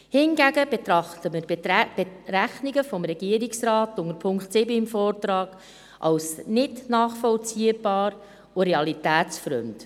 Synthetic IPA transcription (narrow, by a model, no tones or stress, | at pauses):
hɪnɡæɡəbet̪ɾɑχtəməɾb̥eɾæχniɡəfɔmɾɛɡ̥iəɾiksrɑːtʊŋəɾpʰʊŋktsɪbəɪmfɔːrtɾɑːɡ̥ | ʔɑ̰wsnɪtnɑːχfɔlt͡siəb̥ɑːɾ | uɾeɑlitæːtt͡sfɾø̰md